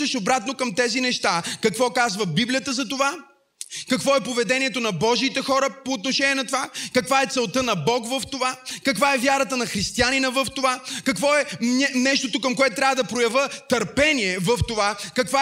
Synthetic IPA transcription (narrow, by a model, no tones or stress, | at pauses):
ɛʃobɾat̪̚nokəmt̪ɛzinɛʃt̪akɐkvɔkazvəbiblijət̪əzɐt̪ova | kɐkvɔɛpovɛd̪ɛniɛt̪onɐbɔʒiːt̪ɛxɔɾəpoːt̪noʃɛniɛnɐt̪ovakɐkvaɛt̪sɛlˠt̪ənɐbɔkvəft̪ovakɐkvaɛvjaɾət̪ənɐxɾist̪ianinəvəft̪ovakɐkvɔɛɛnɛʃt̪ot̪okɐmkoɛt̪ʊt̪ɾʲavəd̪ɐpɾojɐvət̪ɐɾpɛniɛvɐft̪ovakɐkva